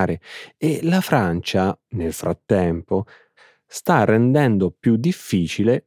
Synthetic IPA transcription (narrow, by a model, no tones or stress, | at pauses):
ɾeelafɾant͡ʃanelfɾat̪ːɛmpo | st̪arːend̪ɛnd̪opjud̪ːifːiːt͡ʃile